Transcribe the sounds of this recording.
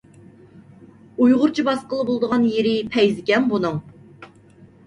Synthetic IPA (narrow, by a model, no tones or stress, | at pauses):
ujʁʊɾt͡ʃʰibɑsqəlˠəbolˠd̪əʁɑnjeɾɪpʰɛjzɪkʲɛnbunɨŋ